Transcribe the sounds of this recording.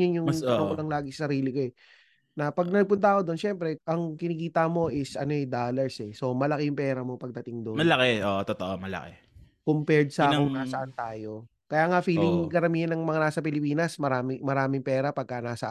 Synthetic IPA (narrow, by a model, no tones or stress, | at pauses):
ʊnjʊŋʊŋkolɐŋlaːɡɪsɐ̥sɐɾiːlɪkoɛ | nɐpɐɡ̚nɐɡ̚pʊnt̪ɐʔɐko̞d̪o̞nʃɛmpɾɛʔɐŋkɪnɪkiːt̪ɐmo̞ʔɪsʔɐnoɛd̪aːlɐɹsɛso̞mɐlɐkejʊŋpɛːɾɐmo̞pɐɡ̚d̪ɐt̪ɪŋd̪onmɐlɐkɛʔoːʔot̪ot̪oʔomɐlɐ̰ke | kʊmpɛɹd̪̚sɐakoŋnaːsɐʔant̪aːjo̞ | kɐjaːŋɐfiːlɪŋkɐɾɐmiːhɐnːɐŋmɐŋanaːsɐpɪlɪpiːnɐsmɐɾaːmɪmɐɾaːmɪŋpɛːɾɐpɐɡ̚kanaːsɐʔ